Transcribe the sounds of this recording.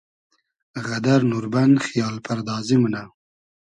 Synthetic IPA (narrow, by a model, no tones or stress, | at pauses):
ɣad̪aɾnuɾband̪xijɑːlpʰaɾd̪ɑːzimuna